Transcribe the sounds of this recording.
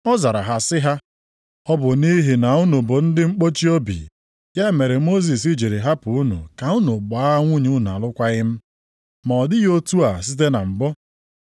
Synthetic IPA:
ɔ˦za˨ɾa˨ɦa˨sɪ˦ɦa˦ | ɔ˦bʊ˨ni˦ɦi˨na˨u˦nu˨bʊ˨n̩˦dɪ˦ŋ͡m̩˦k͡po˦t͡ʃi˦o˦bḭ˨ | ja˦˨me˨ɾe˨mo˦z̬i˨si˦d͡ʒi˨ɾe˨ɦa˦pʊ˨u˦nṵ˨ka˨u˦nu˨ba˦ŋʷu˦ɲu˦n˨a̰˨lʊ˦kʷa˦ɣɪ˦m̩˦ | ma˨ɔ˨dɪ˦ɣo˦tu˦a˨s̬i˦t̬e˦na˨m̩˨bɔ˦

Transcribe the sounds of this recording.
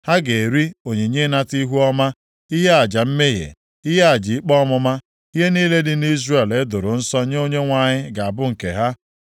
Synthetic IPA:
ha˦ɡe˨ɾi˦o˨ɲe˨ɲe˦na˦ti˦ɦu˦ɔ˦ma˦ | i˦ɦe˦a˨d͡ʒa˨m̩˦me˦ɦḛ˨ | i˦ɦe˦a˨d͡ʒɪ˨i˦k͡pɔ˦mʊ˦ma˦ | i˦ɦe˦niː˦le˦dɪ˦ni˦zre˨le˦dʊ˨ɾʊ˨n̩˦sɔ˦ɲe˦o˦ɲe˦ŋʷa˨ɲɪ˦ɡa˨a˨bʊ˦ŋ̩˨ke˨ɦa˦

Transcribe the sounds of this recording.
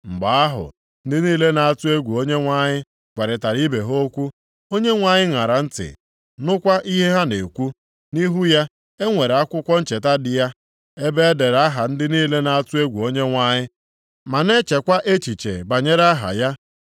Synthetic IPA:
ŋ͡m̩˨ɡ͡ba˨a˦ɦʊ̰˨ | n̩˦dɪ˦niː˦le˦na˨a˦˨tʊ˦e˦ɡʷu˨o˦ɲe˦ŋʷa˦ɲɪ˦ | ɡʷe˨ɾɪ˨ta˨ɾi˦be˨ɦo˦kʷu˦ | o˦ɲe˦ŋʷa˨ɲɪ˦ŋa˨ɾa˨n̩˦tɪ̰˨ | nʊ˦kʷa˦ʔi˦ɦe˦ɦa˦ne˨kʷu˦ | ni˦ɦu˦ja˦ | e˦ŋʷe˨ɾa˦kʷʊ˦kʷɔ˦n̩˦t͡ʃe˨ta˦dɪ˨ja˦ | e˦be˦e˦de˨ɾa˦ɦa˨n̩˦dɪ˦niː˦le˦na˨a˦tʊ˦e˦ɡʷu˨o˦ɲe˦ŋʷa˦ɲɪ˦ | ma˨ne˦t͡ʃe˨kʷa˦ʔe˦t͡ʃi˨t͡ʃḛ˨ba˨ɲe˦ɾa˦ɦa̰˨ja˦

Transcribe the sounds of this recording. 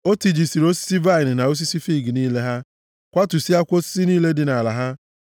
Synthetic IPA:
o˦ti˨d͡ʒi˨si˨ɾo˦si̥˦si˦va˦jn̩˨na˨o˦s̬i˦si˦fi˦˨ɡi˨niː˦le˦ɦa˦ | kʷa˦tu˨si˦a˦kʷo˦si̥˦si˦niː˦le˦dɪ˨na˨la˨ɦa˦

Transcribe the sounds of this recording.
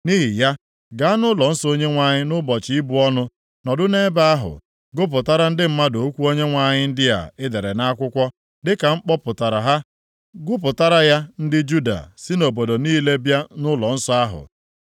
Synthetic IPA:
ni˦ɦi˨ja˦ | ɡa˨˦a˦nʊ˦lɔ˨n̩˦so˦ɲe˦ŋʷa˨ɲɪ˦nʊ˦bɔ˨t͡ʃi˦bu˨ɔ˦nʊ˦ | nɔ˨dʊ˦ne˦ba˦a˦ɦʊ̰˨ | ɡʊ˦p̬ʊ˨ta˦ɾa˦n̩˦dɪ˦m̩˦ma˦do˨˦kʷu˦o˦ɲe˦ŋʷa˨ɲɪ˦n̩˦dɪ˦a̰˨ɪ˦de˨ɾe˨na˦kʷʊ˦kʷɔ˦ | dɪ˦ka˨ŋ͡m̩˦k͡pɔ˦pʊ˨ta˨ɾa˨ɦa˦ | ɡʊ˦p̬ʊ˨ta˦ɾa˦ja˦n̩˦dɪ˦d͡ʒu˦da̰˨sɪ˦no˨bo˨do˨niː˦le˦bja˦nʊ˦lɔ˨n̩˦sɔ˦a˦ɦʊ̰˨

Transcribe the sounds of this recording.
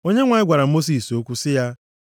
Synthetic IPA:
o˦ɲe˦ŋʷa˨ɪ˦ɡʷa˨ɾa˨˦mo˦s̬i˨so˦kʷu˦sɪ˦ja˦

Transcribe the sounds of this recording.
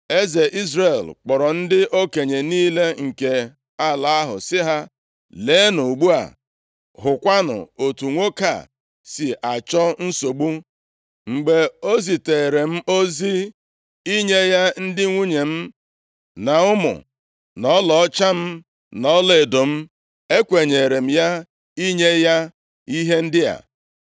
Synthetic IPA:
e˦ze˨ʔi˦zɾe˨lk͡pɔ˨ɾɔ˨n̩˦dɪ˦ʔo˦ke˨ɲe˨niː˦le˦ŋ̩˨ke˨ | a˦la˨a˦ɦʊ̰˨sɪ˦ɦa˦ | le˨˦nu˨ɡ͡bu˦a̰˨ | ɦʊ˨kʷa˦nʊ̰˨o˨tu˨ŋʷo˦ka̰˨ | sɪ˨ʔa˨t͡ʃɔ˦n̩˦so˨ɡ͡bu˦ | ŋ͡m̩˨ɡ͡be˨o˦zi˨te˨ɾe˨m̩˦o˦zi˦ | i˦ɲe˦ja˦n̩˦dɪ˦ŋʷu˦ɲe˨m̩˦ | na˨ʊ˦mʊ̰˨ | nɔ˦lɔ˨ɔ˦t͡ʃa˦m̩˦ | nɔ˨˦le˨do˨m̩˦ | e˦kʷe˨ɲe˨ɾe˨m̩˦ja˦ | i˦ɲe˦ja˦ | i˦ɦe˦n̩˦dɪ˦a̰˨

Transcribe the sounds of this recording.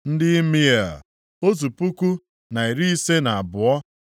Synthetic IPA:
n̩˦dɪ˦i˦mi˦e˨ | o˦zu˨pu˦ku˦ | na˨i˨ɾi˦i˦se˦na˨a˨bʊ˨ɔ˦

